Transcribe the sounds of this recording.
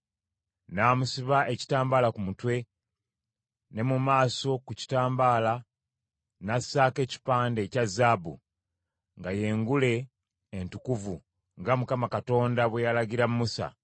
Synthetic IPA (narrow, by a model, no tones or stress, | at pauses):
naːmusiβaʔe̞ci̥taːmbaːlakumutwe̞ | ne̞mumaːso̞kuci̥taːmbaːla | nasaːke̞ːci̥paːnde̞cazaːbṵ | ŋɡaje̞ːŋɡule̞ː | ntukuvu | ŋɡamukamakato̞ːndaβwejalaɡiɾammːusa̰